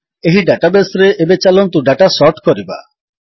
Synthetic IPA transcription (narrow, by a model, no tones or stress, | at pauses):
eɦiɖaʈabesɾeʔebet͡ʃalɔnt̪uɖaʈasɔɾʈkɔɾiba̰